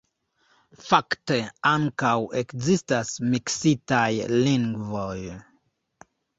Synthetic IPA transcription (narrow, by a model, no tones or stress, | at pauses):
fakteaŋkawekzistasmiksitajliŋɡvo̞j